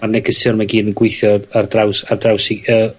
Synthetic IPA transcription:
arnɛɡʰəsʊrmaɡiːdənɡwɪjθjɔardrawsardrawsiəː

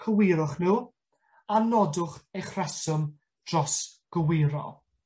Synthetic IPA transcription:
kʰəwɪɾʊχnuː | anɔdʊχejχrɛsʊm | d̥rɔsɡ̥əwɪːɾɔ̰

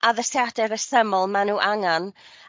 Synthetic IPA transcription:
ʔaðəsjadɛɾəsəmɔlˠmanuːʔaŋan

